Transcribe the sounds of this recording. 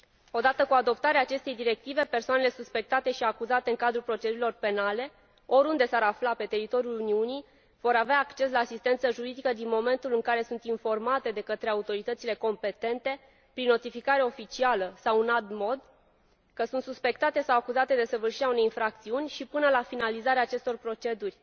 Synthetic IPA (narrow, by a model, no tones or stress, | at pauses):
o̞d̪at̪əkuad̪o̞pt̪aɾeaːt͡ʃe̞st̪e̞jd̪iɾe̞k̚t̪ive̞pe̞rsoanele̞suspe̞k̚t̪at̪e̞ʃiakuzat̪e̞ɨŋkad̪ɾulpɾo̞t͡ʃed̪uɾilo̞rpe̞nale̞ | o̞ɾund̪e̞saɾaflape̞t̪e̞ɾit̪o̞ɾjuluniuni | v̥o̞ɾaveaːkt͡ʃe̞s̬laːsist̪e̞nt̪səʒuɾid̪ikəd̪inmo̞me̞nt̪ulɨŋkaɾe̞sunt̪info̞rmat̪e̞d̪e̞kət̪ɾe̞aut̪o̞ɾit̪ət̪sile̞ko̞mpe̞t̪e̞nt̪e̞ | pɾinːo̞t̪ifikaɾeo̞fit͡ʃialəsawɨnalt̪mo̞d̪ | kəsunt̪suspe̞kt̪at̪e̞sawakuzat̪e̞d̪e̞səvɨrʃiɾeaune̞jinfɾak̚t̪siunʲʃipɨnəlafinalizaɾeaːt͡ʃe̞st̪o̞rpɾo̞t͡ʃe̞d̪urʲ